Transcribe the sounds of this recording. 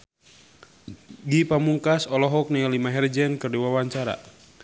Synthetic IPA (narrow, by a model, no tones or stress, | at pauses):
ɡipamuŋkasɔlɔɦɔk̚nialimaɦɛrd͡ʒɛnkɨrduwawaɲt͡ʃaɾa̰